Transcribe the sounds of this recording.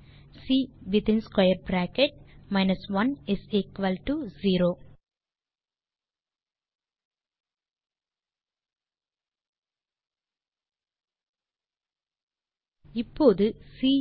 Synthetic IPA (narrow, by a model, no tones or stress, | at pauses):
siːʋɪt̪ɪ̃nskɐɪəɾbɾæːkɛʈ̚maɪnɐsʋɐ̃nɪsɪkʋɐlʈuziːɾoː | ɪpːoːðɯsiː